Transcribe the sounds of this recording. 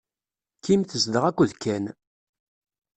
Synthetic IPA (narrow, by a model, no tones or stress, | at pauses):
kːimθəzd̪əʁækʷːuðkːæn